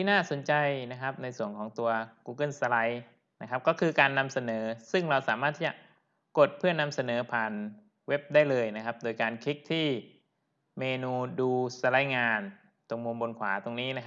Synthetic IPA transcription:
t̪ʰiː˥˩naː˥˩so˩˦nt͡ɕa˧jna˦˥kʰa˦˥p̚na˧jsu˨˩əŋkʰɔː˩˦ŋt̪u˧ɐkuː˧kɤ˥˩nsa˧la˧j | na˦˥kʰa˦˥p̚kɔː˥˩kʰɯː˧kaː˧nːa˧msa˧nɤː˩˦sɯ˥˩ŋɾa˧wsaː˩˦maː˥˩t̪ʰːiː˥˩t͡ɕa˨˩ʔ | ko˨˩t̪̚pʰɯ˥˩ɐna˧msa˧nɤː˩˦pʰaː˨˩n | we˦˥p̚daː˥˩jlɤː˧jna˦˥kʰa˦˥p̚doː˧jkaː˧nkʰi˦˥k̚t̪ʰiː˥˩ | meː˧nuː˧duː˧sa˧la˦˥jŋaː˧n | t̪o˧ŋmu˧mbo˧nkʰwa̰ː˩˦t̪o˧ŋniː˦˥na˦˥a˦˥

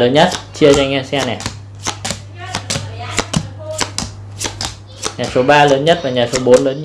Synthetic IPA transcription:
ləː˨˦nɲə˦˥t̚t͡ɕi˧ət͡ɕa˧ŋɛ˧sɛ˧nɛ˨˩ | ɲaː˨˩so˨˦ɓaː˧ləː˨˦nɲə˦˥t̚va˨˩ɲaː˨˩so˨˦ɓo˨˦nləː˨˦n˥

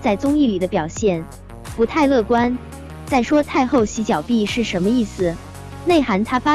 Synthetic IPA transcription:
t͡sa˥˩ɪt͡sʊ˥ŋi˥˩li˨˩d̪ə˦pjɑ˨˩ʊɕjɛ˥˩n | pu˧˥t̪ʰa˥˧ɪlɤ˥˩kwa˥n | t͡sa˥˩ɪʂwɔ˥t̪ʰa˥˧ɪxo˥˩ʊɕi˧˥t͡ɕjɑ˨˩ʊpi˥˧ʂɻ̩˥˩ʂə˧˥nmə˧i˥˩sɹ̩˨˩ | ne˥˩ɪxa˧˥nt̪ʰa˥fa˥

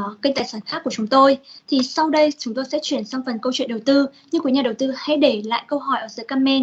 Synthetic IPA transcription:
ki˧ŋ̟t̪aː˧˨˩saː˧˩nxaː˦˥kːu˧˩ət͡ɕʊ˨˦ŋ͡mt̪o˧jt̪ʰi˨˩sa˧wɗə˧jt͡ɕʊ˨˦ŋ͡mt̪o˧jsɛ̰˧˥t͡ɕwi˧˩ənsa˧ŋ͡mfə˨˩nkə˧wt͡ɕwḭ˧˨nɗə˨˩wt̪ɨ˧ɲɨ˧ŋkwɲaː˨˩ə˨˩wt̪ɨ˧ha̰˧˥jɗe˧˩la̰ː˧˨jkə˧wɦɔ˧˩jʔəː˧˩zə̰ː˨˦jkaː˧mɛ˧n

